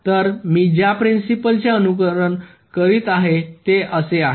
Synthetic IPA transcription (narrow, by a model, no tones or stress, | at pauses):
t̪əɾmiːd͡ʑjapɾinsipəlt͡ɕeənukəɾəɳ | kəɾiːt̪aɦet̪eʔəseaɦe